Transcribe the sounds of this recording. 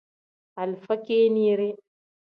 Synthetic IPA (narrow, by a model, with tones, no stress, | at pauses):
a˨lfa˦keː˦ni˦ɾɛ˦